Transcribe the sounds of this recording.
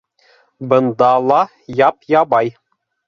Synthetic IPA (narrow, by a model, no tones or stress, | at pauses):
bɤ̆nd̪ɑlˠɑ | jɑpjɑbɑj